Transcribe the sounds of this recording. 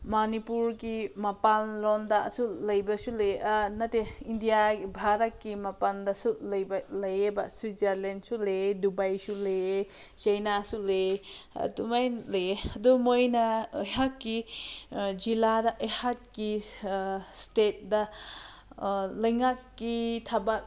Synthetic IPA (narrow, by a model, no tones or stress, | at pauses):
manipuɾkimapanlonda̰sulɐjbɐsulenɐteindijaɡibʱaɾɐt̚kimapandɐsulɐjbɐlɐjebɐswid͡ʒaɾlensuledubajsuleje | t͡ʃɐjnasulḛ | dumajleeɐdumojnɐɐjɦakːi | d͡ʒiladɐʔɐjhat̚ki | stet̚dɐ | lɐjŋakːitʰaba